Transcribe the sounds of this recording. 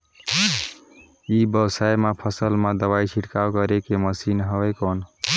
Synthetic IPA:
ibjəwsajmapʰəsəlmad̪əbait͡ʃʰiʈkawkəɾekeməsinɦəbəkon

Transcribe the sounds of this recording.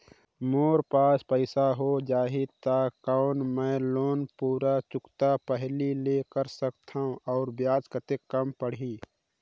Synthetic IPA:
moːɾpaːspəɪsaɦod͡ʒaːɦit̪akɔʊnmɛ̃ːloːnpuːɾat͡ʃʊkt̪apəɦlileːkəɾsəkt̪ʰaũʔɔːɾbjaːd͡ʒkət̪ekːəmpəɽĩː

